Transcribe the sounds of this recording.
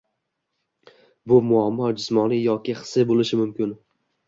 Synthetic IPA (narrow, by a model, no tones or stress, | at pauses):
bʊmʊamːɒd͡ʒɪsmɒnijɒkʲʰɪχɨ̥sɪbolɪʃɪmʊmkʲɪn